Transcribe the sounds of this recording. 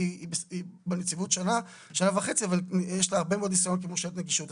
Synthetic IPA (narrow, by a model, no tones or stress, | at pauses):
ibibenet͡sivut̪ʃana | ʃanavaχe̞t͡siavaljeʃlaaʁbe̞meod̪nisajonkemoʃet̪neɡiʃut